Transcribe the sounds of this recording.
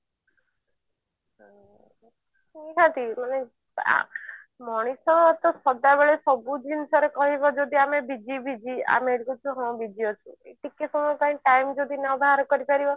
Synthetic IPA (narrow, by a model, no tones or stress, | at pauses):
ɦ | iɦãt̪imane | a̰ | mɔɽ̃isɔɔt̪ɔsɔd̪abeɭesɔbud͡ʒinsɔɾekɔɦibɔd͡ʒod̪ʱiamebid͡ʒibid͡ʒia̰meɽikut͡ʃʰɔɦɔ̃bid͡ʒiɔt͡ʃʰũeʈikesɔmɔjpaĩʈajmd͡ʒod̪ʱinɔbʱaaɾɔkɔɾipaɾibɔ